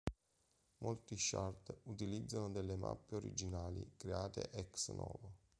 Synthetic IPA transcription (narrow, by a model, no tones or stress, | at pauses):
mʔolt̪iʃart̪ut̪ilid̪zːanod̪elːema̰pːeoɾḭd͡ʒinaːlḭkɾeaːt̪ḛʔɛksnʔɔːvo